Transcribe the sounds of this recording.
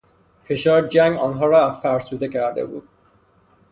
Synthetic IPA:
feʃɒːɾd͡ʒæŋɡɒːnɦɒːɾɒæfæɾsuːd̪ecʰæɾd̪ḛbṵːd̪̥̚

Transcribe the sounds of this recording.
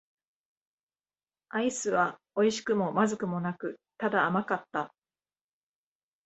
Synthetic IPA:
aisɨβa | o̞iɕi̥kɯ̟mo̞mazɨkɯ̟mo̞nakɯ̟t̪ad̪aːmakat̪ːa

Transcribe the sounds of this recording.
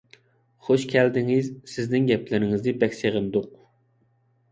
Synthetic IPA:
χoʃkʲʰɛld̪ɪŋɪzsɪznɪŋɡʲɛplɪɾɪŋɪzd̪ɪbɛkʲseʁɨnd̪ʊq̚

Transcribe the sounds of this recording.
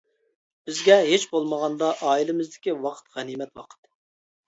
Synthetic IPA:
b̥ɪzɡʲɛɦet͡ʃbolˠməʁɑnd̪ɑʔɑːilɪmɪzd̪ɪkʲiwɑqʰə̥t̪ʁɛnimɛt̪wɑqʰə̥t̪

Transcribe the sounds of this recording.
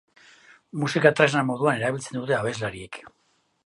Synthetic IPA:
musikat̪ɾeznamo̞ðuane̞ɾaβilt͡se̞nd̪ut̪e̞aβe̞zlaɾie̞k

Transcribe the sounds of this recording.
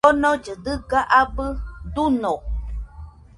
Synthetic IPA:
ɔnɔ̃d͡ʒɨdɨɡaʔabɨdunɔ

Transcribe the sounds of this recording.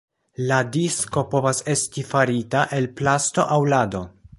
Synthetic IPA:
ladisko̞po̞vase̞stifaɾitaʔe̞lplasto̞̰ʔawlado̞

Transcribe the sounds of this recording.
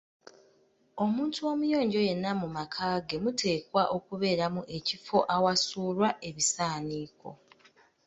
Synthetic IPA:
o̞muːntuo̞mujo̞ːɲɟoje̞nːamumakʰaːɡe̞mutʰe̞ːkwaʔo̞kuβe̞ːɾamuʔe̞cifo̞ʔawasuːlwaʔe̞βisaːniːko̞̰

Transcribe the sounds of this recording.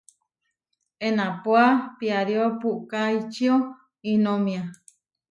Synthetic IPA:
enãpoapiaɾiopuʔkait͡ʃio | inomĩa

